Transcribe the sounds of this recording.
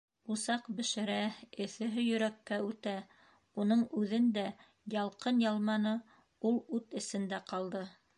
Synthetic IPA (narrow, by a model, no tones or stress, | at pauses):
usɑqbɘ̆ʃɘ̆ɾæɘ̆θɘ̆ɦɘjɵ̆ɾækːæʉt̪æ | unɤɴʉðɘnd̪æ | jɑlˠqɤnjɑlˠmɑnɤ | ulˠʉt̪ɘ̆sɘ̆nd̪æqɑlˠd̪ɤ